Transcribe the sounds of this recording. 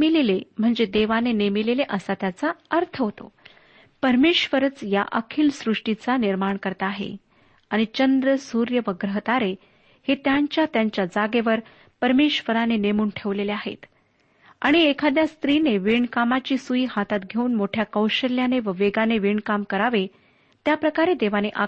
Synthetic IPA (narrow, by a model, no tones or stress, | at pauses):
milelem̤əɳd͡zed̪eʋanenemileleʔəsat̪jat͡saəɾt̪ʰəɦot̪o̰ | pəɾmeɕʋəɾət͡sja̰ʔəkʰiːlsɾuʂʈit͡saniɾmaɳkəɾt̪aːɦḛ | aɽ̃it͡ɕənd̪ɾəsuɾjəʋəɡɾəɦət̪aɾe | het̪jaɲt͡ɕjat̪jaɲt͡ɕjad͡zaɡeʋəɾ | pəɾmeɕʋəɾanenemuːnʈʰeʋleleaɦḛt̪ | a̰ɽ̃iekʰad̪jast̪ɾineʋiɳkamat͡ɕiːsuiɦat̪at̪ɡʱeuːnmoʈʰjakəwɕəljaneʋəʋeɡaneʋiɳkamkəɾaʋe | t̪japɾəkaɾed̪eʋaneʔa